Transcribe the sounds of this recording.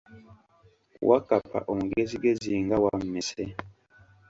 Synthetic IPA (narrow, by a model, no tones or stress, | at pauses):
wʔa̰kapʰa̰ʔom̩uɡeziɡeziŋɡawam̩mɛsɛ